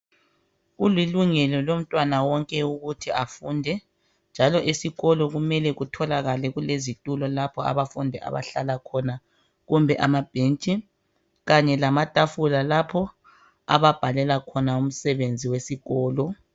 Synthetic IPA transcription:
ɣuliluŋɛlɔlom̩tʼwanawɔŋkʼɛuɣutʰiafuːndʱɛ | nd͡ʒʱalɔʔisiɣɔlɔɣumɛlɛɣutʰɔlaɣalɛɣulezitʼulɔlapʰɔa̰βafundʱɛʔa̰βa̰ɬalakʰɔna | ɣumbʱɛʔa̰mab̥ʱent͡ʃʼi | ɣaɲɛlamatʼafulalapʰɔ | a̰βab̥ʱalɛlakʰɔnaum̩sɛβend͡zʱiwesiɣɔːlɔ

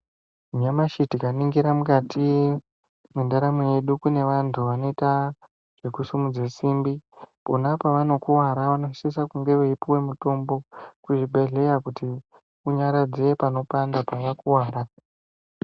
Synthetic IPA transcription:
uɲamaʃitikaniŋɡiɾamukatʰi | mundaɾamije̞ɗukune̞ʋantʰuʋanoeta | ʐ̥ekusumud͡zesiːmbiponapaʋano̞kuwaɾaʋano̞sis̬akuŋɡe̞ʋeipiwe̞muto̞mbo̞kuʐibʱe̞ɮe̞jakuti | uɲaɾad͡zeepano̞pandapaʋakuwaːɾa

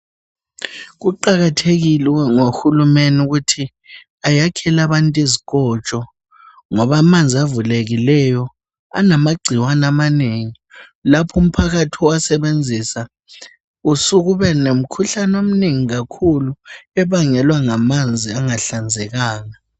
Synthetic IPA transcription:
ɣ̬uǃaɣatʰeɣilɛŋoxulumenuɣutʰi | ajakʰɛlaβantʼizik̬ʼɔt͡ʃʼɔ | ŋɔβamand͡zʱiavuleɣilɛjɔ | a̰namaɡ͡ǀʱiwanamaneːŋi | lapʰum̩pʰaɣatʰiwasɛβend͡zʱisa | usuɣuβɛnem̩kʰuɬanom̩neŋiɣakʰuluɛβaŋɛlwaŋamand͡zʱiaŋaɬand͡zʱɛɣaːŋa

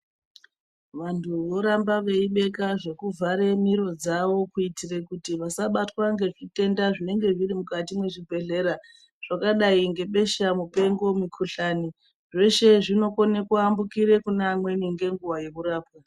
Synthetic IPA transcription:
ʋantʰuʋo̞ɾambaʋe̞iɓe̞kaʐe̞kuvʱaɾe̞miɾo̞d͡zaʋo̞kuitirekutiʋasaɓatwaŋɡe̞ʐite̞ndaʐine̞ŋɡe̞ʐirimukatimwe̞ʐibʱe̞ɮe̞ɾa | ʐ̥akaɗaiŋɡe̞ɓe̞ʃamupe̞ŋɡo̞mikʰuɬani | ʐe̞ʃe̞ʐino̞kone̞kuambukiɾe̞kuneːmwe̞niŋɡe̞ŋɡuʋajekuɾaːpwa

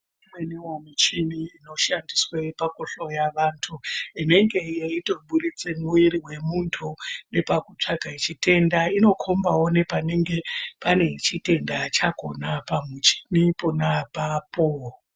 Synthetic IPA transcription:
imwenewamut͡ʃimiːno̞ʃandiswepakoɬo̞jaʋantʰuine̞ŋɡe̞jeito̞ɓuɾit͡semuiɾiwe̞muntʰune̞pakut͡ʂaɡʱait͡ʃite̞ndaino̞kʰombawo̞ne̞pane̞ŋɡe̞pane̞t͡ʃite̞ndat͡ʃako̞napamut͡ʃi̥nipo̞napaːpo

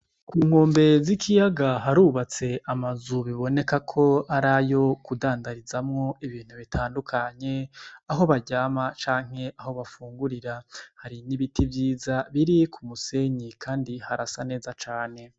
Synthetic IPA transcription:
kuːŋ̥hoːmbe̞zikʰijaɡaɦaɾuːβat͡se̞ʔamazuβiβo̞ne̞kakʰo̞aɾajo̞kudaːndaɾizamŋo̞iβiːn̥huβitʰaːndukʰaɲe̞aɦo̞βaɟaːmat͡ʃaːŋ̥he̞ʔaho̞βafuːŋɡuɾiɾahaɾiniβitʰivjiːzaβiɾikʰumuse̞ɲikʰaːndihaɾasane̞ːzat͡ʃaːne̞

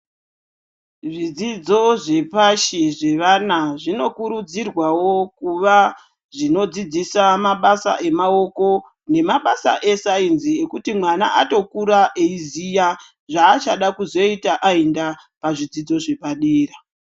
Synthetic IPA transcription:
ʐid͡zid͡zo̞ʐe̞paʃiʐe̞ʋanaʐino̞kuɾud͡zirwawo̞kuʋa | ʐino̞d͡zid͡zisamaɓasa̰ʔe̞mao̞ko̞ | ne̞maɓasa̰ʔe̞sainzie̞kutimwana̰ʔato̞kuɾaʔeizija | ʐaːt͡ʃaɗakuzo̞itaʔaenda | paʐid͡zid͡zo̞ʐe̞paɗiːra

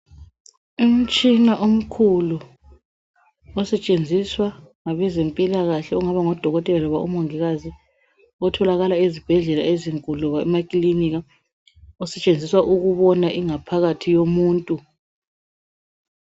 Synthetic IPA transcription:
um̩t͡ʃʼinaʔom̩kʰulu | ɔsɛt͡ʃʼend͡zʱiswaŋaβɛzempʼilaɣaɬɛuŋaβaŋɔd̥ʱɔɣɔtʼɛlalɔβa̰ʔṵmoŋiɣazi | ɔtʰɔlaɣalaezib̥ʱɛɮɛla̰eziŋkʼuluβaɛ̰makʼiliniɣa | ɔsɛt͡ʃʼend͡zʱiswaʔuɣuβɔnaʔiŋapʰaɣatʰijomuːntʼu

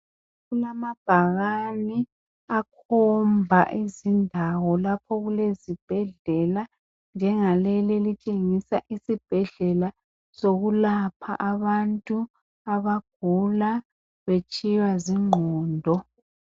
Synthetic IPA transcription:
ɣulamab̥ʱaɣani | akʰɔmbʱaʔizindʱawɔlapʰɔɣulezib̥ʱɛɮɛla | nd͡ʒʱɛŋalɛlelit͡ʃʼeŋisaʔisib̥ʱɛɮɛla | soɣulapʰa̰ʔaβantʼu | aβaɡ̥ʱula | βet͡ʃʰʼiwaziŋ͡ǃʱɔːndʱɔ

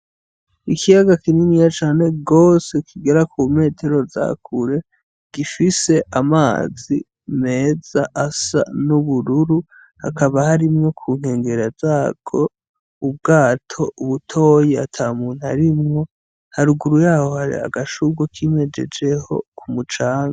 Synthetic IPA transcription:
ikʰijaɡakininijat͡ʃaːne̞ɡo̞se̞kiɡe̞ɾakʰume̞ːtʰe̞ɾo̞za̰kʰuɾe̞ | ɡ̥ifise̞ʔamaːzi | me̞ːz̥aʔasa̰nuβuɾuɾu | ha̰kʰaβahaɾimŋokʰuːŋ̥he̞ːŋɡe̞ɾazaːkʰo̞ | ub̚ɡaːtʰo̞uβutʰo̞jeatʰaːumuːn̥uhaɾimŋo̞ | haɾuɡuɾujaːho̞haɾḭa̰ɡaʃuɡwokʰime̞d͡ʒe̞̰d͡ʒe̞ho̞̰kʰumut͡ʃaːŋɡa

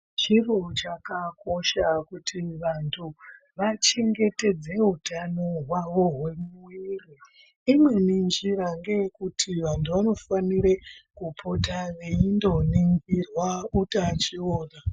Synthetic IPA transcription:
t͡ʃirot͡ʃakako̞ʃakutʰiʋantʰu | ʋat͡ʃe̞ŋɡe̞te̞d͡ze̞ɦutano̞ɦwaʋo̞ɦwe̞mwiri | imwe̞nind͡ʒiɾaŋɡe̞kutʰiʋantʰuʋano̞faniɾekupʰotaʋeindo̞niŋɡirwautat͡ʃioːna

